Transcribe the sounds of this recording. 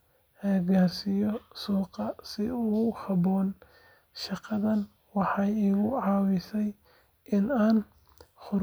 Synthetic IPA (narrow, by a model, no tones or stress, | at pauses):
ʔɛːɡaːrsɪjɔsuːqɑsɪuːhɑbɔːn | ʃɑqɑðɐn | wɑħɑjiːɣʊʕɑːwɪsɛj | ʔɪnaːn | χʊ